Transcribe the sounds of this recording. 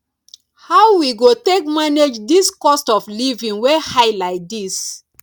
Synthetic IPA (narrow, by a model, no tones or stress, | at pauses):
haʊwiɡotekmaned͡ʒdiskɔstɔflivĩŋwehaɪlaɪt̚dis